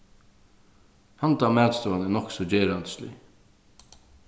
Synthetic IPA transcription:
hant̪amæːt̪st̪ɔanɛnɔksɔd͡ʑeːɾand̪slɪ̰

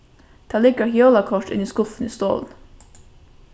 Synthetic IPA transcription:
d̪̥ɑːlɪɡəhjoːlɑkʰɔʈɪ̰niːskʊfn̩ḭːst̪o̰ːln̩

